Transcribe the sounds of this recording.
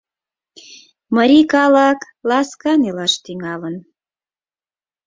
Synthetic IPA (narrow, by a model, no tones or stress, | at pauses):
məɾikɑlɑk | lɑskɑnelɑʃt̪yŋɑlən